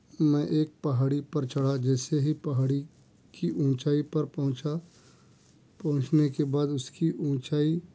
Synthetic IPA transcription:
mɛ̃ʔeːk̚pɐɦaːɽipɐɾt͡ʃɐɽ̤ad͡ʒɛːseɦipɐɦaːɽi | kiʔũːt͡ʃaːipɐɾpɐɦʊ̃t͡ʃa | pɐ̃ɦʊ̃t͡ʃnekebaːd̪ʊskiʔũːt͡ʃaːi

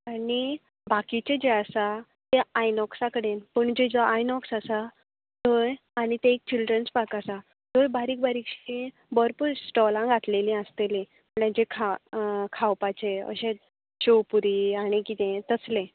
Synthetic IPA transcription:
ani | bakit͡ɕed͡ʑeasa | t̪eajnɔksakəɽenpəɳd͡ʑed͡zɔʔajnɔksasa | t̪oj | añit̪eek̚t͡ɕilɖɾənt͡spakasa | t̪ojbaɾiːkbaɾikɕĩ | bəɾpuːɾsʈɔlãŋɡʱat̪lelĩast̪elẽ | əɳad͡ʑekʰakʰawpat͡ɕeə̰ɕẽ | ɕowpuɾiaɽ̃ikit̪ẽt̪əslẽ

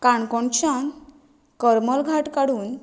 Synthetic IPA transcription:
kaɳkɔɳt͡ɕan | kəɾməlɡʱaʈkaɽuːn

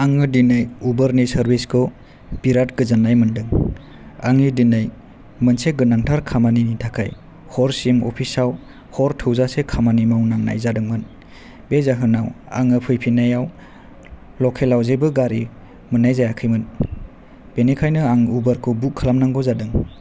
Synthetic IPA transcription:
aŋɯdinɯjubəɾnisəɾbiskʰɯ | b̥iɾat̚ɡɯzɯnajmɯndɯŋ | a̰ŋidinaj | mɯnseɡɯnaŋtʰaɾkʰamaninitʰakʰa̰j | hɔɾsimɔ̰pʰisaw | hɔɾtʰɯwzasekʰamanimawnaŋna̰jzadɯŋmɯn | bezaɦɯnawa̰ŋɯpʰɯjpʰinajaw | lɔkʰelawzebɯɡaɾi | mɯnajzajakʰɯjmɯn | b̥enikʰajnɯaŋubəɾkʰɯbukʰːalamnaŋɡɔzadɯŋ

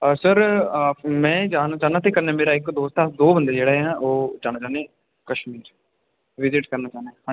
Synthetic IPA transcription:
əsəɾ | mɛ̃ːd͡ʒaːnaːt͡ʃaːnaːt̪eːkəɾneːmeːɾaːɪkd̪oːst̪ad̪oːbənd̪eːd͡ʒeːɽaːãːʔoːd͡ʒaːñaːt͡ʃaːneː | kəʃmiːɾ | ʋɪzɪʈkəɾnaːt͡ʃaːneːhãːi

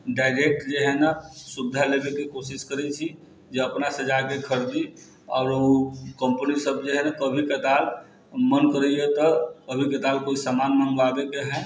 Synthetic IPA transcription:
ɖaːɪɾek̚ʈd͡ʒeɦɛnasubd̪ʱalebekekosɪskəɾɛt͡ʃʰi | d͡ʒeəpnased͡ʒakekʰəɾd̪i | ɔːɾukə̃mpənisəbd͡ʒeɦɛnakəbʱikət̪aːl | mənkəɾɛjɛt̪ɔkəbʱikət̪aːlkoːisamanmənbaɡ̪ekeɦɛ

